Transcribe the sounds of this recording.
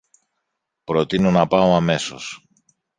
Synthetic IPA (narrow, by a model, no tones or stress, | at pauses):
pɾo̞t̪ino̞nɐpɐoɐme̞so̞̰s